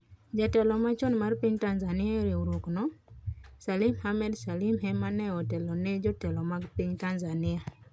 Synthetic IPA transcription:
d͡ʒatɛlɔmat͡ʃɔnmarpiɲtanzanɪaɾeuɾoknɔ | salimhamɛdsalimɦɛmanɛɔtɛlɔned͡ʒɔtɛlɔmaɡpiɲtanzanɪa

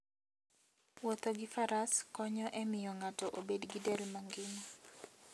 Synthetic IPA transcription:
wot̪oɡɪfaɾaskɔɲɔʔɛmɪjɔŋatɔʔobedɡidɛlmaŋɡɪnɔ

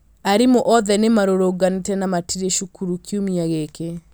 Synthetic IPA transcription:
aɾimoʔɔðɛnemaɾoɾoɡanetɛnamatʰiɾeʃukuɾukiumiaɣeke

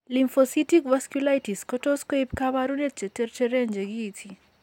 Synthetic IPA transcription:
limfositikvaskjulajtiskɔtɔskwepkaβaɾunet̚t͡ʃetert͡ʃeɾeɲd͡ʒeɡitʰi

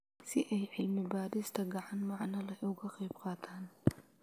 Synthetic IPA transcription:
sɪʔɛjʕɪlmɪbaːɾɪst̪ʰɐɡɑʕɑnmɑʕnɐlɐʊɣɐqɑjbqɑːt̪ʰaːn

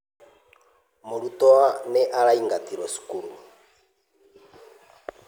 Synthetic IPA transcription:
molutɔanɛʔaɾaiŋɡatiɾɔsi̥kuɾu

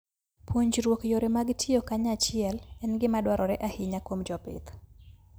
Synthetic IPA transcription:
pwoɲd͡ʒɾwokjoɾemaɡtʰjɪijokaɲat͡ʃɪɛlɛnɡɪmadwaɾʔɔɾɛʔahɪɲakwomd͡ʒɔpɪ̰t̪

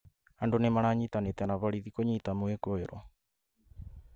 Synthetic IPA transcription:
andonemaɾaɲit̪anet̪ɛnaβaɾiðikoɲit̪amoekoeɾɔ

